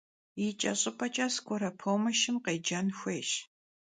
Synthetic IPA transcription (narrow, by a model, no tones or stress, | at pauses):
it͡ʃʼɐ̰ɕʼɪpʼɐt͡ʃʼɐskʷʰʼɔɾɐpʰoːmɐʃɪmqeːd͡ʒɐnxʷeːʃ